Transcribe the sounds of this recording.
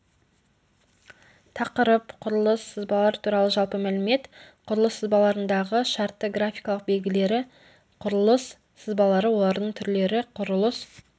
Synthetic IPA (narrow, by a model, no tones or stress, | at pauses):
t̪ʰɑqəɾəpqʰʊɾəlˠəsəzbɑlˠɑɾt̪ʰuɾɑlˠəʒɑlˠpəmælɪme̞t̪qʰʊɾəlˠəsəzbɑlˠɑɾənd̪ɑʁəʃɑɾt̪ːəɡɾafʲijkɑlˠəq̚be̞lɡʲɪle̞ɾɪ | qʰʊɾəlˠəsː | əzbɑlˠɑɾəwo̞lˠɑɾd̪əɴt̪ʰʏɾle̞ɾɪqʰʊɾəlˠəs